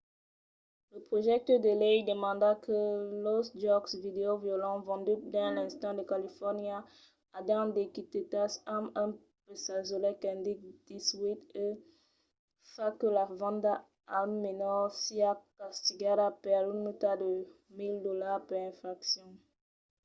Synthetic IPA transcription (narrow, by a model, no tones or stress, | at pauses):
ləpχoʒɛk̚t̪œd̪əlɛjd̪əmɑ̃d̪akəlɔsd͡ʒɔksvid̪eovjolɑ̃vɑ̃d̪yd̪ɛ̃lɛ̃st̪ɑ̃d̪əkalifɔʁnja | ad̪ɑ̃d̪ekit̪et̪asamɛ̃ | pəsazolɛkɛ̃nd̪ik̚d̪̥iswit̪e | fakəlavɑ̃d̪a | almːenɔʁsiakast̪iɡaɾapɛʁlunut̪ad̪ə | mild̪olaʁpɛʁɛ̃fʁaksjɔ̃